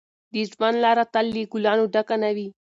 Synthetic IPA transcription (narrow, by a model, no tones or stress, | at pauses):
d̪ismanlaːɾat̪ɐlːiɡulaːnuɖɐkɐnɐʋi